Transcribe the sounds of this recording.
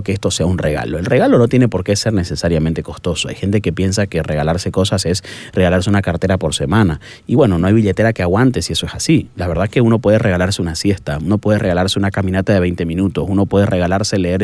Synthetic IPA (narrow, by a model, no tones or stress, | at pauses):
keest̪o̞seaunreɣa̰loelre̞ɣalo̞no̞t̪je̞nepo̞ɾkese̞ɾne̞se̞saɾjamẽnt̪e̞ko̞st̪o̞soa̰jxe̞nt̪̬e̞ke̞pje̞ns̬ake̞re̞ɣalaɾse̞ko̞sase̞s | re̞ɣalaɾs̬e̞unakaɾt̪e̞ɾapo̞ɾse̞mãna | iβwe̞no̞noajβiʎe̞t̪e̞ɾakeaɣwant̪esie̞soesasilaβe̞ɾð̞ake̞uno̞pwe̞ðere̞ɣalaɾseunasje̞st̪auno̞pwe̞ðe̞re̞ɣalaɾse̞unakamĩnat̪aðe̞β̞ejnt̪e̞mĩnut̪o̞suno̞pwe̞ðere̞ɣalaɾse̞leeɾ